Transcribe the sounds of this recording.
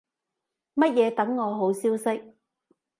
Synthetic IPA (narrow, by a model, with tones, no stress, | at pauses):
mɐ˥t̚jɛː˨˧t̪ɐ˨˥ŋːɔː˨˧ɦo˨˥wsiː˥wsɪ˥k̚